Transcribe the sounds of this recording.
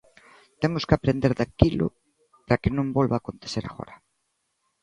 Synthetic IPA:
t̪emʊskɪapɾend̪eɾðakilʊ̰ | pɾakenõmbolβaːkont̪e̥θeɾa̰ɣɔ̰ɾa

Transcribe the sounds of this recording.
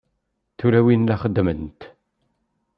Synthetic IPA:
θuɾæwinlaχəd̪ːmənt̪

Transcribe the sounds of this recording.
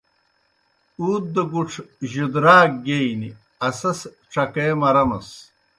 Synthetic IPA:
uːt̪̚d̪ɐɡuʈ͡ʂʰʑud̪ɾaːk̚ɡeini | ɐsɐs | ʈ͡ʂɐkemɐɾɐmɐs

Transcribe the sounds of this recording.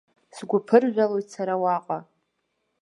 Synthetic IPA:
sɡʷʊpʰɨrʒʷᶣalojtsaɾawaqʼa

